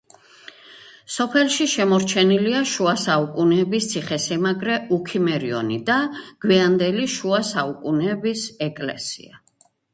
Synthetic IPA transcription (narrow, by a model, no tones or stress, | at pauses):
sɔpʰɛlˠʃiʃɛmɔɾt͡ʃʰɛniliaʃuasaukʼunɛːbist̪sʰiχɛsɛmaɡɾɛukʰimɛɾiɔ̰nid̪aɡ̥wiand̪ɛliʃuasaukʼunɛbisɛkʼlɛ̰sḭa